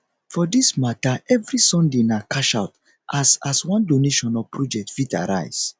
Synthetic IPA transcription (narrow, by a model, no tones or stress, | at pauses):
fɔdismataɛvɹisɔ̃ndenakaʃaʊt | ʔasaswãndoneʃɔ̃napɹɔd͡ʒɛk̚tv̥ita̰ɾa̰ɪs